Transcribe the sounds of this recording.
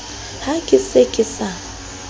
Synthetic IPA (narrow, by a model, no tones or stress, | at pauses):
hakʼɪsekʼɪsa